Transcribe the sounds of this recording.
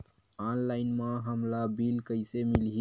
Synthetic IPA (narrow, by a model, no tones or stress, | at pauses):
aːnlaːɪnmãɦəmlabilkəɪsemilɦi